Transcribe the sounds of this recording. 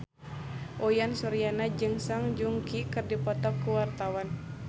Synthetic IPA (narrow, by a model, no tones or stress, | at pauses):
ʔɔjansɔɾianad͡ʒɨŋsaŋd͡ʒuŋkikɨrdipɔt̪ap̚kuwart̪awan